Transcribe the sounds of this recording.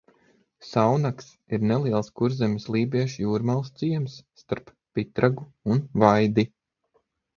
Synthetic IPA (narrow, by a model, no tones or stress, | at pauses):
sawnaks | iɾnɛlˠiɛlˠskuɾzɛmʲislˠiːbʲiɛʃjuːɾmalˠst̪siɛmsːt̪aɾpːit̪ɾaɡuunvajd̪i